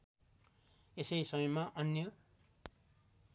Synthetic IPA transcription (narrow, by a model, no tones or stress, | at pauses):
esʌjsʌmʌjmaʔʌnjʌ